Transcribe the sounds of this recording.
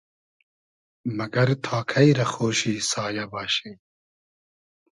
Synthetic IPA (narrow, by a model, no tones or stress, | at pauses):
mɐɡɐɾt̪ʰɑːkʰɐjɾɐxoːʃiːsɑːjɐbɑːɕej